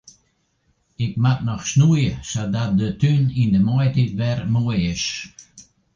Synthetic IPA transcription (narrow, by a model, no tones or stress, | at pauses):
ɪk̚mat̚nɔxʃnujəsadat̚dətynind̪əmɔjtitvɛɾmujɪʃ